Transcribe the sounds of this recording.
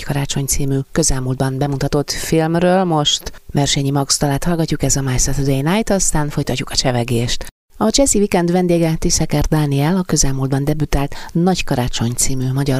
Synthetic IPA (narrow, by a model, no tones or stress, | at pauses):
kɒɾaːt͡ʃo̞ɲt̪siːmykø̞zɛlmuld̪̚bɒnbɛmut̪ɒt̪o̞t̪filmrøːlmo̞ʃt̪mɛrʃɛɲimɒɡst̪ɒlaːt̪hɒlɡɒcːukɛzɒmajsɛt̪d̪ejnajt̪ɒst̪aːnfo̞jt̪ɒcːukɒt͡ʃɛvɛɡeːʃt̪ | ɒt͡ʃɛzivikɛnd̪ʋɛnd̪eːɡɛt̪isɛkɛrd̪aːniɛlɒkø̞zɛlmuːld̪bɒnd̪ɛbyt̪aːlt̪nɒɟkɒɾaːt͡ʃo̞ɲt̪siːmymɒɟɒr